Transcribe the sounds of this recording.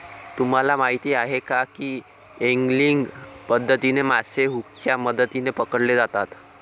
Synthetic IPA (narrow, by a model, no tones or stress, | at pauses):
t̪um̤alamaɦit̪iːaɦekakiː | eŋɡliŋɡpəd̪ʱːət̪inemaseɦukt͡ʃaməd̪ət̪inepəkəɽled͡zat̪at̪